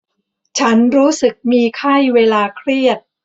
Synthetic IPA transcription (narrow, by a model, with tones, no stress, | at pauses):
t͡ɕʰa˦˥nɾuː˦˥sɯ˨˩k̚miː˧kʰa˥˩jweː˧laː˧kʰɾi˥˩ət̪̚